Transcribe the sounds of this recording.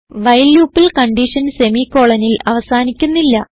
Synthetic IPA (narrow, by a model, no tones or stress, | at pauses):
ʋɐjljuːpːilkɐɳɖiʂɐnse̞miko̞ːɭɐnilɐʋɐsaːnikʲːunːilːɐ